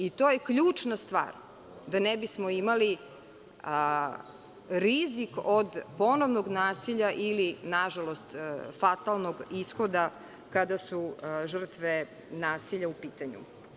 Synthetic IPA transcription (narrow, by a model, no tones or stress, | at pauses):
it̪oːjekʎuːt͡ʂnast̪ʋa̰ːɾ | d̪anɛbismoimali | ɾizikod̪po̞no̞ʋno̞ɡnaːsiʎaʔilinaʒalo̞st̪fat̪alˠnoɡisxo̞d̪a | kad̪asuʒr̩t̪ʋe | naːsiʎaupiːt̪aɲṵ